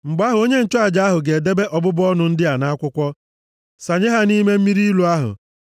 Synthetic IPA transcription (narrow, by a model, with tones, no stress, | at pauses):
ŋ͡m̩˨ɡ͡ba˦ɦʊ˨o˦ɲe˦n̩˦t͡ʃɔ˦a˨d͡ʒa˨˦a˦ɦʊ˨ɡe˨de˦be˦ʔɔ˨bʊ˦bʊ˦ɔ˦nʊ˨n̩˦dɪ˦a˨na˦a˦kʷʊ˦kʷɔ˦ | sa˨ɲe˦ɦa˦ni˦me˦m̩˦mi˦ɾi˦lu˨a˦ɦʊ̰˨